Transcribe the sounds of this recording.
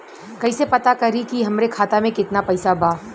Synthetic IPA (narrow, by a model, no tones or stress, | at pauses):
kɐisepɐt̪akɐɾikiɦɐmɾekʰaːt̪amẽkɪt̪napɐɪsabʱaː